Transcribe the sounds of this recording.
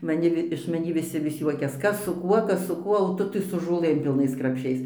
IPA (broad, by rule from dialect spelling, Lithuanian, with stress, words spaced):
mɐˈnʲɪ ʋʲɪ ɪʃ mɐˈnʲiː ʋʲɪˈsʲɪ ʋʲɪs ˈjuɔkʲɛs ˈkɐs sʊ ˈkuɔ ˈkɐs sʊ ˈkuɔ oː ˈtʊ tɐɪ sʊ ʒoːˈlˠɘm pʲɪlˠˈnɐɪs krɐpʲˈʃʲɛɪs